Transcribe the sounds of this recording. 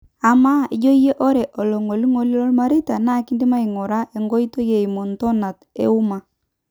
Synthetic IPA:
a˨ma˦i˨d͡ʒo˦je˦ʔɔ˦ɾɛ˨ʔɔ˨lɔ˨ŋo˨li˦ŋo˨li˦lɔ˦lma˦ɾi˦ta˨na˦ki˦ndi˦ma˦i˨ŋɔ˨ɾa˦ʔe˨ŋɡɔ˦i˦to˦je˨i˨mo˨ntɔ˦na˨tḛ˦u˦ma˨

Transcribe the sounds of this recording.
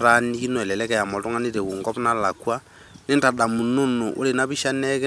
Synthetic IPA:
ɾa˦ni˦ki˦nɔ˨ɛ˨lɛ˨lɛ˦kɛ˨ja˨mɔ˨to˦ŋa˦ni˦ɾɛ˨ku˨ŋɡɔ˦pna˦la˨kwa˦ | ne˦nta˨ɗa˨mu˨no˦no˨ʔo̰˦le˨na˦βi˦ʃa˦nɛke˦

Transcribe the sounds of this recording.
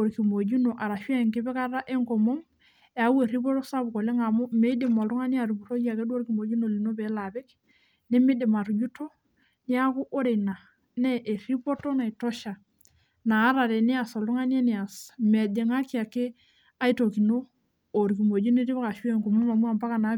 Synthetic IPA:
o˨ɾki˨mo˨d͡ʒu˦no˨ʔa˨ɾa˨ʃwɛ˦˨ŋkɪ˦bɛ˦ka˦ɾa˦ʔe˦ŋko˨mo˦m | e˨a˨we˨ɾi˦pɔ˦to˦sa˦bu˨ko˨le˦ŋa˨mo˦me˨˦i˦de˨ma˨lu˦ŋa˦ni˦a˨ɾu˨bu˨ɾo˦ja˨ke˦du˦o˦ɾki˨mo˨d͡ʒu˦no˨li˨no˦bɛ˨˦la˨bɛ˦k | ne˦me˦de˨ma˨ɾu˨d͡ʒu˦to˦ | nɪ˦a˦ku˦ʔo˦ɾe˨na˨ | nɛ˦ʔe˨ɾi˦po˦to˦na˨i˨to˦ʃa˨ | naː˨˦ɾa˨ɾe˨nɪ˦a˨sɔ˨lu˦ŋa˦n˦e˦nɪ˨a˨sme˨de˨ŋa˦ki˦a˨ke˦ | a˦i˦to˨ki˨noː˦˨ | ɾki˨mo˨d͡ʒu˦n˦e˦ɾi˦bɛ˦ka˨ʃu˦e˨ŋkɔ˨mɔ˦ma˨mu˦a˨mpa˦ka˨na˨˦

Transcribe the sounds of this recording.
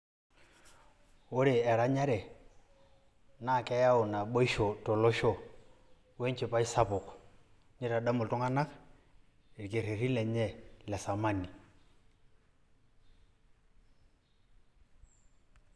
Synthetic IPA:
ʊ˦ɾɪ˨ɛ˨ɾa˦ɲa˦ɾɛ˨ | na˨kɛ˦ja˦ɔ˨na˨ɓo˦i˦ʃɔ˨tɔ˨lɔ˦ʃɔ˦˨ | wɛ˦ɲt͡ʃe˦˨pa˦i˦sa˦pʊ˨k | ɲɛ˦ɾa˨da˦mʊ˨ltɔ˦ŋa˦na˦k | e˨li˨ke˨ɾe˨ri˦lɛ˨ɲɛ˦˨lɛ˨sa˨ma˦˨ni˨

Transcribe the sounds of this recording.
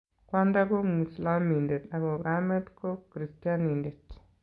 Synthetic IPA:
kwa˦nda˦ɡo˦mu˨i˨sla˦mi˨nde˨ta˨ɡo˨ɡame˦dko˦kɾi˨stia˦ninde˨t

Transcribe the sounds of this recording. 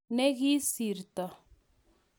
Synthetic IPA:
nɛ˦ɣi˦si˨ɾt̪ɔ˨

